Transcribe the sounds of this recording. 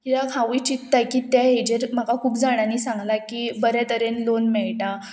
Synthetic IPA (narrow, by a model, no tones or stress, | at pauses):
kit̪akʰaʋuijt͡ɕit̪ːakit̪ɛɦed͡ʑeɾm̤akakʰuːpd͡zaɽ̃aniːsãŋɡlakibəɾat̪əɾenlonmɛɭʈa